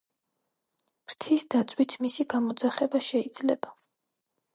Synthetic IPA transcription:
mɾt̪ʰisd̪at̪sʼwit̪ʰmisiɡamɔd̪zaχɛbaʃɛid̪zlɛba

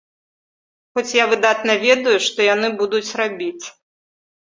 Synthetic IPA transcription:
xɔt͡sʲjavɨd̪at̪nɐvʲɛd̪ujuʂt̪ɔjanɨbud̪ut͡sʲrabʲit͡sʲ

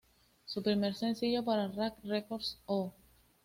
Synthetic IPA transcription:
supɾimeɾsẽnθiʎopaɾarakrekoɾso

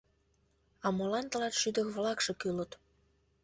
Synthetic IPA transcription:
ɑmolɑnt̪əlɑt̪ʃyd̪ə̆kβlɑkʃĕkylət̪

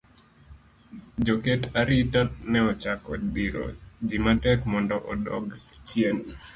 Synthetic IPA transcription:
d͡ʒɔketaɾitatnɛɔt͡ʃakɔdiɾɔ̰d͡ʒimatɛkmɔndɔʔɔdɔɡt͡ʃjen

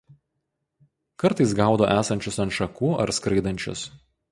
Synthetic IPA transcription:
kɐɾt̪ɐɪsɡɑˑʊd̪o̰ːʔæːsɐnʲt͡ʃʲʊsɐnt̪ʃɐkuːɐ̰ɾskɾɐɪd̪ɐnʲt͡ʃʲʊ̰s

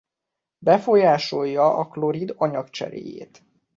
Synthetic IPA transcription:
bɛfo̞jaːʃo̞jːɒʔɒklo̞ɾid̪ɒɲɒkt͡ʃɛ̰ɾḛːjḛːt̪

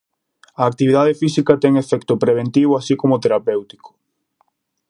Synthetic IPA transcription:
ɐːk̚t̪iβiðað̞efisikɐt̪ɛŋefɛkt̪ʊpɾeβ̞ẽnt̪iβ̞oasikomot̪eɾapewt̪i̥ko̥

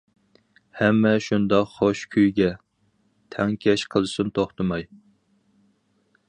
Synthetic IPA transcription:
hɛmːɛʃund̪ɑqχoʃkʲʰyjɡʲɛ | t̪ʰɛŋkʲʰɛʃqʰəlˠɨsunt̪ʰoχt̪ɨmɑj

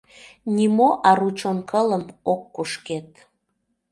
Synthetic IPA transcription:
nʲimoʔɑɾut͡ʃonkʰələmokːuʃket̪̚

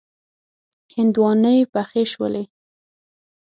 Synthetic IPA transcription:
hɪnd̪wɑnəjpaxeʃwə̰le

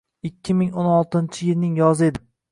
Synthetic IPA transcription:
ɪkʲʰːɪmɪŋonɒlˠt̪ɪnt͡ʃʰɪjɪlnɪŋjɒzɪe̞d̪ɪm

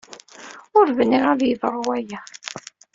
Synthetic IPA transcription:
ʊɾvənːiʁæðjəðˤɾˤwæjæ

